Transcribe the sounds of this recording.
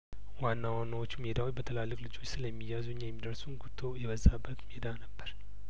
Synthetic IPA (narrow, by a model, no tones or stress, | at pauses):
wanːawanːawot͡ʃːumed̪awot͡ʃːbət̪ʰəlalːɨkʼlɨd͡ʒo̞t͡ʃːsɨləmːijːazuɲːajɛmːid̪əɾsunɡut̪ʰːo̞jɛβəzabːət̪med̪anəbːəɾ